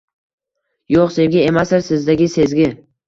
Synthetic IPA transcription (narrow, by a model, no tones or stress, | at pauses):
joqse̞vɡʲae̞masɪɾsɪzd̪aɡʲɪse̞zɡʲɪ